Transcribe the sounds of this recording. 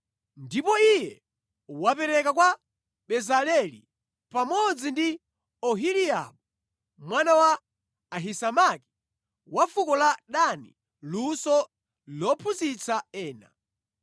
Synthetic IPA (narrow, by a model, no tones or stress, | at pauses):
ndipɔijɛ | wapɛɾɛkakwa | ɓɛzalɛlḭ | pamɔd͡zindi | ɔɦilia̰ɓu | mwanawaː | ɦisamaki̥ | wafukɔlaɗanḭ | lusɔ | lɔpʰuzit͡saɛːna̰